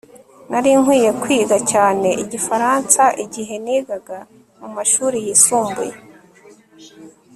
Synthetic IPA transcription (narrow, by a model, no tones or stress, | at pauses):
naɾiŋwiːje̞kwiːɡacaːne̞ʔiɟifaɾansaʔiɟiɦe̞niːɡaɡa | mumaʃuːɾijisuːmbuje̞